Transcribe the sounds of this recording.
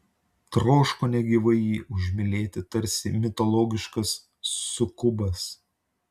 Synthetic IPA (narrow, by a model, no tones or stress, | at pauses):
t̪ɾoːʃkoːnʲɛɡʲiʋɐɪjiːʔʊʒʲmʲɪlʲeːt̪ʲɪt̪ɐɾʲsʲɪmʲɪt̪ɔlˠɔːɡʲɪʃkɐsː | ʊkʊbɐs